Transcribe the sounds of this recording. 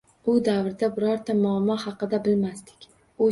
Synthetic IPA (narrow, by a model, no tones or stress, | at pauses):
ʊd̪avɾɪd̪abɪɾɒɾt̪ʰamʊamːɒhɑqɨd̪abɪlmast̪ɪ̥kʲ | ʊ